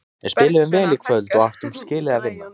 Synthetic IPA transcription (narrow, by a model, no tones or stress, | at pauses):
ɛspɪːlɪvʏmvɛːlɪkʰvœðlt̪ɔɣaht̪ʏmscɪːlɪðavɪnːa